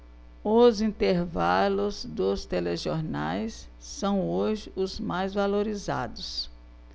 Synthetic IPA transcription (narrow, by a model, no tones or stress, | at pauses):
ʊzĩnt̪eɾvalʊzd̪ʊst̪eleʒoɾna̰jsː | ɐ̃w̃oʒɪʔʊzmajzvaloɾiza̰d̪ʊs